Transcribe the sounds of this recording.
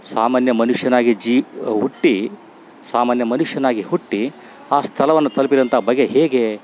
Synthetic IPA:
saːmaːnjɐmɐnuʂjɐnaːɡid͡ʒiːɦuʈːi | saːmaːnjɐmɐnuʂjɐnaːɡihuʈːi | aːst̪ʰɐlɐʋɐnːut̪ʰɐlpid̪ɐnt̪ɐɦɐbɐɡeɦeːɡe

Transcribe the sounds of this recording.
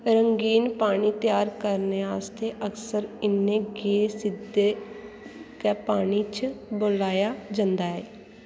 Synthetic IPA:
ɾəŋɡiːnpaːɽ̃iːt̪ɪjaːɾkəɾneːaːst̪eːʔəksəɾɪnːẽːɡeesɪd̪eː | kɛːpaːniːt͡ʃəboːlaːjaːd͡ʒə̃nd̪aːɦɛː

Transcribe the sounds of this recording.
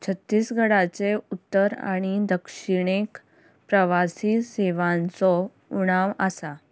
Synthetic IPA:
t͡ɕʰət̪ːiːsɡʱəɽat͡seut̪ːəɾa̰ɽ̃id̪əkʂiɽ̃ek | pɾəʋasiseʋãnt͡sɔ | uɽ̃aʋəsa

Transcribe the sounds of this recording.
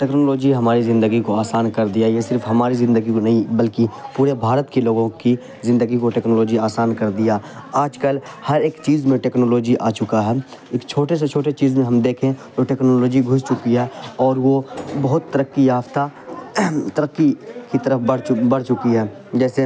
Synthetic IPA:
ʈeːknoːloːd͡ʒiɦɐmaːɾizɪ̃nd̪əɡikoaːsaːnkɐɾd̪ijajesɪɾfɦɐmaːɾizɪ̃nd̪əɡikonɐɦĩbəlkipuːɾebʱaːɾət̪kiloːɡõki | zɪ̃nd̪əɡikoʈeːknoːloːd͡ʒiaːsaːnkɐɾd̪ijaaːd͡ʒkəlhɐɾeːkt͡ʃiːzmẽʈeːknoːloːd͡ʒiʔa̰ːt͡ʃʊkaɦɛː | ɪkt͡ʃʰoːʈes̬et͡ʃʰoːʈet͡ʃiːzmẽɦɐmd̪eːkʰẽd͡ʒ̪oʈeːknoːloːd͡ʒiɡʱʊst͡ʃʊkiɦɛɔːɾʋobɐɦʊt̪ːəɾəkːijaːft̪a | t̪əɾəkːikit̪əɾəfbəɽbɐɽ̤t͡ʃʊkiɦɛː | d͡ʒɛːse

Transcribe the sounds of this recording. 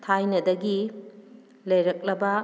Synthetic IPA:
tʰajnɐdɐɡi | lɐjɾɐk̚lɐbɐ

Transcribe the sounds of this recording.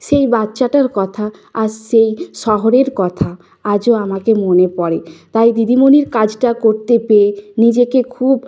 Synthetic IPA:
ʃejbatːɕaʈaɾkɔt̪ʰa | aɾʃejʃɔɦoɾeɾkɔt̪ʰa | ad͡ʑoamakemonepɔɾet̪ajd̪id̪imoniɾkad͡ʑʈakoɾt̪epenid͡ʑekekʰub

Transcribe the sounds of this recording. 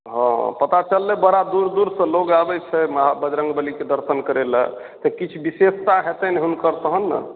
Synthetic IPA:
ɦɔ̰̃pət̪at͡ʃəlːɛbəɾad̪uɾd̪uɾsə̃loɡabɛt͡ʃʰɛməɦabəd͡ʒɾə̃ŋɡbəliked̪əɾsənkəɾelə̰ | t̪əkit͡ʃʰubisest̪aɦet̪ɛnɛɦunkəɾsəɦənːə̰

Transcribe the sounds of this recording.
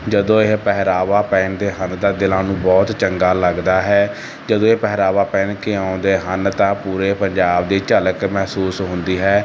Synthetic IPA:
d͡ʒəd̪õːeɦpɛɦɾaːʋaːpɛːɳd̪eːɦənd̪ãːd̪ɪlãːnũːbɔːt̪t͡ʃəŋɡaːləɡd̪aːɦɛː | d͡ʒəd̪õːepɛɦɾaːʋaːpɛːnkeãːʊnd̪eːɦənt̪ãːpuːɾeːpəɲd͡ʒaːbd̪eːt͡ʃələkmɛɦsuːsɦʊ̃nd̪iːɦɛː

